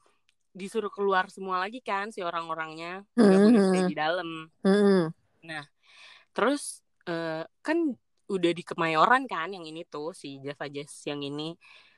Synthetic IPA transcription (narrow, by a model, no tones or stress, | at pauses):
disuɾʊkəluarsəmualaɡikansioɾaŋoɾaŋɲamaadidaləm̩m̩ | nah | t̪əɾʊs | əːkan | udahdikəmajoɾankanjaŋinit̪ʊsid͡ʒasad͡ʒasjaŋini